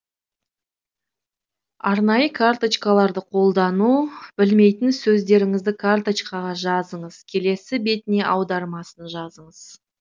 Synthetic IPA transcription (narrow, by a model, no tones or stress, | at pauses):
ɑɾnɑjəkʰart̪ot͡ʃkɑlˠɑɾd̪əqʰo̞lˠd̪ɑnubɪlme̞jt̪ɪnsɵzd̪e̞ɾɪŋɪzd̪ɪkʰart̪ot͡ʃkɑʁɑʒɑzəɴəz̥kʲʰe̞le̞sɪbe̞t̪ɪne̞ʔɑwd̪ɑɾmɑsənʒɑzəɴəz̥